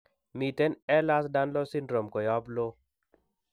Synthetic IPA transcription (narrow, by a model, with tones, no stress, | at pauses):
mi˨tɛ˦nɛ˦la˦sda˦nlɔ˦si˦ndɾo˨mkɔ˨jɔ˦blo˦